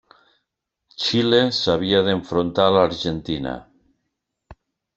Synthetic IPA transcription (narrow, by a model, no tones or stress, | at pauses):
t͡ʃilesaβ̞iaðeɱfɾont̪alaɾʒent̪ina̰